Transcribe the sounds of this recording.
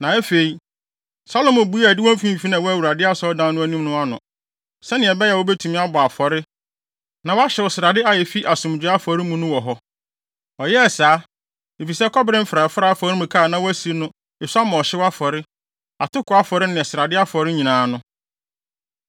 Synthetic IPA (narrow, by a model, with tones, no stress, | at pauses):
nã˨ɛ˦fe˨i˨ | sa˦lo˦˨mʊ˨bu˨˦a˨dɪ˦wɔ̃˦m̩˦fĩ˦m̩˨fi˦nã˨wɔ˦æ˦wu˨ɾa˨dɪ˦a˦sɔ˦dã˦nnʊ̃˦æ˦nĩ˦m˦nʊ̃˦a˦nʊ̃˨ | sɛ˦nɪ̃˨ɛ˨bɛ˦jɛ˨wɔ˦bɛ˦tʰu˨mĩ˦a˦bʊ˨a˨fɔ˨ɾɪ˦ | nã˨wa˦ɕɪ˨wɔ˨sɪ˨ɾa˨dɪ˦a˨jɛ˨fi˦ʔa˨sʊ̃˨m˨d͡ʑᶣɪ˦a˦fɔ˨ɾɪ˦mũ˦nʊ̃˦wɔ˨ɦɔ˦ | ɔ˨jɛ˦˨saː˨˦ | i˨fi˨sɛ˦kʰɔ˦bɾɪ̃˦m̩˦fɾa˨fʊ˦ɾa˦a˨fɔ˨ɾɪ˦mũ˨kʰa˦˨nã˦wɔ˦æ˦si˨˦nʊ̃˦ | ɪ˨sa˦mã˨ɔ˨ɕɪ˦wa˦fɔ˨ɾɪ˦ | a˨tʰʊ˦kʊ˨˦a˦fɔ˨ɾɪ˦nɪ̃˨ɛ˨sɪ˨ɾa˨dɪ˦a˦fɔ˨ɾɪ˦ɲĩ˨nãː˨˦nʊ̃˦